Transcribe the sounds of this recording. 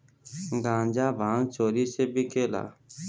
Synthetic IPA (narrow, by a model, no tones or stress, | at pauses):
ɡãːnd͡ʒaːʋʱãːŋt͡ʃoːɾiːseːbʱiːkʰeːla̰ː